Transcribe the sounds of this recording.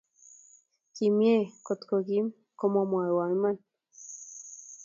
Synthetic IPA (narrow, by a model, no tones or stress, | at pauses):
kimjekot̪kokim | komomoaewaiman